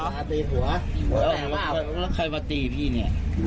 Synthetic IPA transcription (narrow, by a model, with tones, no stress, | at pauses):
a˧˩be˧ɦu˨˩˦ɐ˧˩lːllɛ˦˥wkʰɤː˧jmaː˧t̪iː˧pʰiː˥˩ni˧˥˩ɐ